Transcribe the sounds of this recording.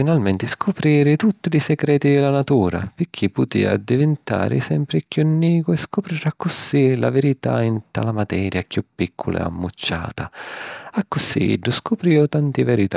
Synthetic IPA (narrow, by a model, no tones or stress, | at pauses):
finalmɛnt̪ɪskʰʊpɾiːɾɪt̪ut̪ːilisɛɡɾɛːt̪id̪ɪlanat̪uːɾa̰pɪkʰːipːʊt̪ḭːa̰d̪ːivɪnt̪a̰ːɾɪ̰sɛmpɾɪkjunːiːkʊɛskʊpɾiɾakːʊsila̰vɛɾit̪a̰int̪a̰lamat̪ɛːɾjakjupːikʰːʊlɪ̰a̰mːut͡ʃːa̰ːt̪aakːʊsḭɖːʊskʊpɾiːɔt̪ant̪ɪvɛɾit̪a